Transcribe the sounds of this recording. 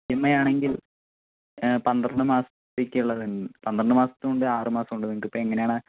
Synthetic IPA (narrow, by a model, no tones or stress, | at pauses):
emːɐjaːɳe̞ŋɡil | pɐnd̪rɐɳɖɨmaːsɐt̪ːekʲːɐuɭːɐðinpɐnd̪ɐrɐɳɖɨmaːsɐ̥t̪ːɨoɳɖɨaːrɨmaːsɐmuɳɖɨnikːipːoːeŋːɐnejaːɳɨ